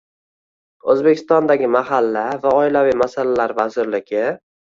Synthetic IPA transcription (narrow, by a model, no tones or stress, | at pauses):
ɵzbekʲʰɪst̪ɒnd̪aɡʲɪmaɦalːavaɒɪlavijmasalalaɾvazɪɾlɪɡʲɪ